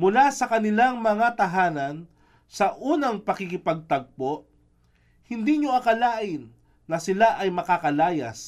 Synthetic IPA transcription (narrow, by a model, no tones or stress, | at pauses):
mʊlasɐkɐnɪlaŋmɐŋat̪ɐɦaːnɐn | sɐʔuːnɐŋpɐkikɪpɐɡ̚t̪ɐɡ̚poʔ | hɪnd̪iɲoɐkɐlaːʔɪnː | ɐsɪlaʔɐjmɐkakɐlaːjɐ̰s